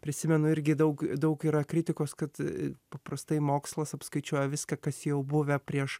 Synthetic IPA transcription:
pʲɾʲɪsʲɪmʲɛnʊɪɾʲɡʲɪd̪ɐʊkd̪ɐʊkiːɾɐkɾʲɪt̪ʲɪkoːskɐt̪pɐpɾɐst̪ɐɪmoːkslˠɐsɐpskɐɪt͡ʃʲuɔjɛʋʲɪskɐkɐsjɛʊbʊʋʲɛpʲɾʲiɛʃ

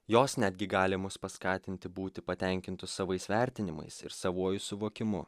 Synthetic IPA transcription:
joːsnʲæd̪ʲɡʲɪɡɑːlʲɪmʊspɐskɑːt̪ʲɪnʲt̪ʲɪbuːt̪ʲɪpɐt̪ʲɛˑŋʲkʲɪnt̪ʊssɐʋɐɪsʋʲæˑɾʲt̪ʲɪnʲɪmɐ̰ɪsɪ̰ɾsɐʋuɔjʊsʊʋoːkʲɪmʊ̰

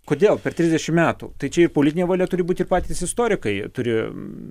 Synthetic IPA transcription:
koːd̪ʲeːlˠpʲɛrt̪ʲɾʲɪzʲdʲɛʃʲɪmmʲæːt̪ṵːt̪ɐɪt͡ʃʲɛɪrpolʲɪt̪ʲɪnʲeːʋɐlʲɛt̪ʊɾʲɪbuːt̪ʲɪrpɑːt̪ʲisɪst̪oːɾʲɪkɐɪt̪ʊɾʲɪ

